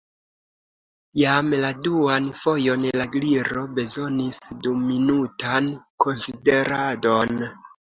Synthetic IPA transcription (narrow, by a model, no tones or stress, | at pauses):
jamladuanfo̞jo̞nlaɡliɾo̞be̞zo̞nisduminutanko̞nside̞ɾado̞n